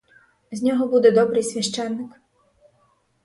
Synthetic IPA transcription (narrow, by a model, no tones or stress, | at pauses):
zʲnʲɔɦɔbud̪ɛd̪ɔbɾɪjsʲʋʲɐʃt͡ʃɛnːɪk